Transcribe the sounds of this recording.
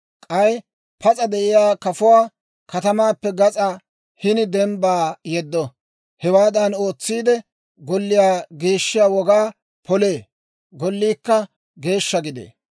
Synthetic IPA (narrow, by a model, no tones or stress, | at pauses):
kʼɐj | pɐt͡sʼɐd̪ɛʔɪjaːkɐfʊwaː | kɐt̪ɐmaːpːɛɡɐt͡sʼa | hɪnɪd̪ɛmbaːjɛd̪ːɔ | hɛwaːd̪ɐno̞ːt͡sːiːd̪ɛ | ɡɔlːɪjaːɡiːʃːɪjaːwɔɡaː | pʰɔleː | ɡɔlːiːkːɐ | ɡe̞ːʃːɐɡɪd̪ḛː